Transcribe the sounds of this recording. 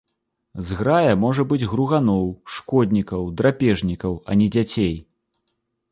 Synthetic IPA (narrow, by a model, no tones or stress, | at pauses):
zɣɾajɐmɔʐɐbɨd͡zʲɣɾuɣanɔwʂkɔd̪ʲnʲikɐwd̪ɾapʲɛʐnʲikɐwɐ̰nʲɛd͡zʲat͡sʲej